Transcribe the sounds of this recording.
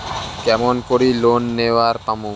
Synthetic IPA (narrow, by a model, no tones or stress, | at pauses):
kɛmɔnkoɾilonːewaɾpamu